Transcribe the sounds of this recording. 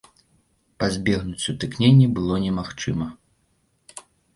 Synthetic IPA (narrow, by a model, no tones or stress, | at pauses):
pazʲbʲɛɣnut͡sʲut̪ɨknʲenʲːibɨlˠɔnʲɛmaxt͡ʂɨmɐ